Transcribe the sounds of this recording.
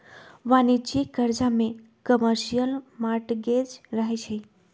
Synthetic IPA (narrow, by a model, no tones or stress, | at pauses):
ʋanit͡ʃikəɾd͡ʒamẽ | kəməɾʃijəlmaɾʈɡed͡ʒɾəɦet͡ʃʰe